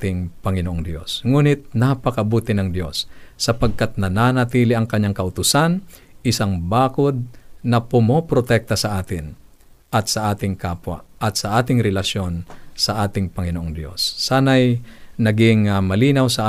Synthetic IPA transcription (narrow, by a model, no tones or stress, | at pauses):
t̪ɪŋpɐŋɪnoʔoŋd̪jo̞̰sŋuːnɪt̪̚napɐkɐbuːt̪ɪnɐŋd̪jo̞̰sːɐpɐɡ̚kat̪̚nɐnaːnɐt̪iːlɪʔɐŋkɐɲːaŋkɐʔʊt̪ʊsan | ʔɪsaŋbaːkod̪̚nɐpʊmopɾot̪ɛk̚t̪ɐsɐʔaːt̪ɪn | ʔɐt̪sɐʔaːt̪ɪŋkaːpwɐ̰ʔɐt̪̚sɐʔaːt̪ɪŋɾɛlɐʃo̞nsɐʔaːt̪ɪŋpɐŋɪnoʔoŋd̪jo̞̰sːaːnɐjnɐɡɪŋmɐliːnawsɐʔa